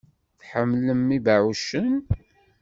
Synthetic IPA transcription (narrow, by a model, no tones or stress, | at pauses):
θħəmːləmːibaʕuʃən